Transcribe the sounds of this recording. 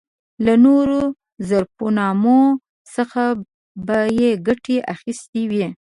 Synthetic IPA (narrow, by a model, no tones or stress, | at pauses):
lanoɾo | zaɾponɑmo | səxa | bajeɡaʈeʔaxist̪iwi